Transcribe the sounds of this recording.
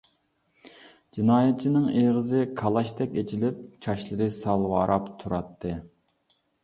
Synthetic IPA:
d͡ʒinɑːjɛt̪̚t͡ʃʰinɪŋeʁəzɨkʰɑlˠɑʃt̪ɛkʲet͡ʃʰilɪp̚t͡ʃʰɑʃlˠɨɾɨsɑlˠwɑːɾʔɑpt̪ʰuɾɑt̪ʰːɨ

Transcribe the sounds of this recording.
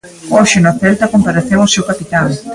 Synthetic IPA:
ɔʃɪnoaθɛlt̪ɐkompaɾaθewosewkapit̪aŋ

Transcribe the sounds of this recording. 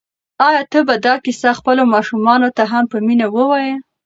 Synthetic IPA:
ɑjɑt̪əbad̪ɑkisaxpəlomɑʃumɑnot̪aɦampəminawəwɑjə

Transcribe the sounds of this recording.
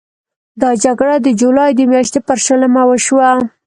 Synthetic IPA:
d̪ɑd͡ʒaɡɽad̪əd͡ʒulɑjd̪əmjɑʃt̪epəɾʃələmawəʃwa

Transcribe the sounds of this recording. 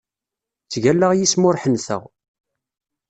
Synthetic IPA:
t͡sːʝælːəʁjismʊɾħənθə̰ʁ

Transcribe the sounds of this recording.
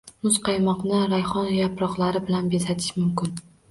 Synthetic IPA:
mʊzqʰɑjmɒqnɪɾajχɒnjapɾɒqlˠaɾɪbɪlanbesat̪ʰɪ̥ʃmʊmkʲɪn

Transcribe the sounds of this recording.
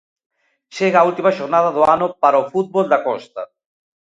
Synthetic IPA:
ʃeɣault̪imaʃoɾnaðaðoanopaɾaofut̪̚bold̪akɔst̪a

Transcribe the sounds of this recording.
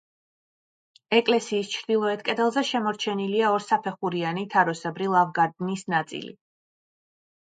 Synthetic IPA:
ɛkʼlɛsiːst͡ʃʰɾd̪̥ilˠɔɛt̪ʰkʼɛd̪ɛlˠzɛʃɛmɔɾt͡ʃʰɛniliaɔɾsapʰɛχuɾianit̪ʰaɾɔsɛbɾilˠavɡad̪nisnat̪sʼḭlḭ

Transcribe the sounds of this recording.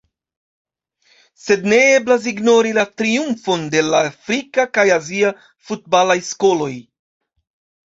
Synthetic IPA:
se̞dne̞eblas̬iɡno̞ɾilatɾiumfo̞nde̞laafɾikakajazia | fut̚balajsko̞lo̞j

